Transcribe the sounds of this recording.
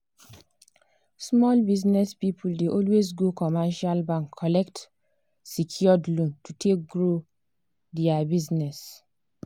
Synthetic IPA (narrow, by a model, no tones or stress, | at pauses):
smɔlbiznɛspipʰuldeʔɔlwezɡokɔmɛʃalbãŋkʰːɔlɛkt | sikʰiɔdlõntutʰek̚ɡɾo | dɛabiznɛs